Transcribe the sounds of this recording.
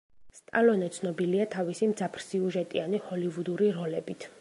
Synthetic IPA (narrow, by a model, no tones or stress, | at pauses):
st̪ʼa̰lɔnɛt̪sʰnɔbiliat̪ʰavisimd̪zapʰɾsiuʒɛt̪ʼianihɔlivud̪uɾiɾɔlɛbit̪ʰ